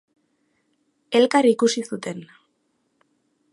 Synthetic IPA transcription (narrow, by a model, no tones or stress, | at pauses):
e̞lkarikusisut̪e̞n